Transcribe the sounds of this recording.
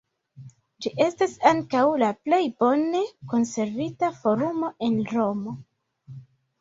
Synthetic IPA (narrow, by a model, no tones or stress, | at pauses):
d͡ʒiʔe̞stasaŋkawlaple̞jbo̞ne̞ko̞nse̞ɾvitafo̞ɾumo̞ʔe̞nɾo̞mo̞